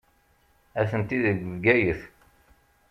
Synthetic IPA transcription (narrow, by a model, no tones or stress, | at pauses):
æθənt̪iðəɡɡæjəθ